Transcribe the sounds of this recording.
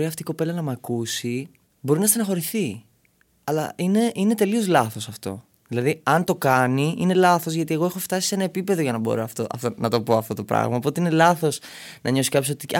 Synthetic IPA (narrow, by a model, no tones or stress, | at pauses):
ɾiɐft̪iko̞pe̞lɐnɐmɐkusi | bo̞ɾinɐst̪inɐxo̞ɾiθi | ɐlɐ̰ʔine̞ʔine̞t̪e̞lio̞zlɐθo̞sɐft̪o̞̰ | ðilɐðiɐnt̪o̞kɐniine̞lɐθo̞zʝɐt̪ie̞ɣo̞e̞xo̞ft̪ɐsi̥senɐepipe̞ðo̞ʝɐnɐbo̞̰ɾoɐft̪oʔɐ̰ft̪onɐt̪o̞poɐft̪o̞t̪o̞pɾɐ̰ɣmɐopo̞t̪e̞inelɐθo̞snɐɲo̞si̥kɐpjosot̪i